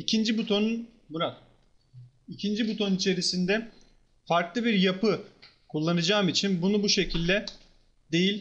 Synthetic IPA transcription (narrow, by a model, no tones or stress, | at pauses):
icʰind͡ʒibut̪ʰo̞nun | muɾa | icʰind͡ʒibut̪ʰo̞nnit͡ʃʰe̞ɾisind̪ɛ | faɾklˠɯbiɾjapɯ | kʰulˠːanɯd͡ʒaːmit͡ʃʰinbunubuʃe̞cʰilʲd̪ɛ | d̪e̞jilʲ